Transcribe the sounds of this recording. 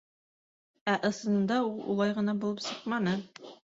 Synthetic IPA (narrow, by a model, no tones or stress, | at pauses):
æʔɤ̆sɤ̆nɤ̆nd̪ɑulˠṵlˠɑjʁɤ̆nɑbulˠɤpsɤqmɑnɤ